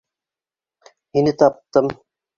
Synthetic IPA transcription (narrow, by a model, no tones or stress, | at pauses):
hinɘt̪ɑp̚t̪ɤm